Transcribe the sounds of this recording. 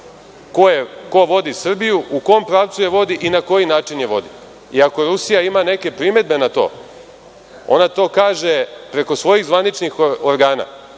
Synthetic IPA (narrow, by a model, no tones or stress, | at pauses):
kojeko̞ʋo̞d̪isr̩bijuuko̞mpɾaːʋt̪suje̞ʋo̞d̪iʔinako̞jinaːt͡ʃinjeʋo̞̰d̪i | iako̞ɾusijaimane̞ke̞pɾime̞d̪̚be̞nat̪o̞̰ː | o̞̰nat̪o̞ːkaːʒe̞pɾe̞ko̞sʋo̞jiɣzʋanit͡ʃnixoɾɡaːna̰